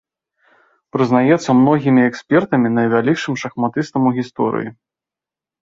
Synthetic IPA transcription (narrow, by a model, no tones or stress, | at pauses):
pɾɨznajɛt̪sːɐmnɔɣʲimʲiɛksʲpʲɛrt̪ɐmʲinɐjvʲalʲikʂɨmʂɐxmat̪ɨst̪ɐmuɣʲist̪ɔ̰ɾɨ̰jḭ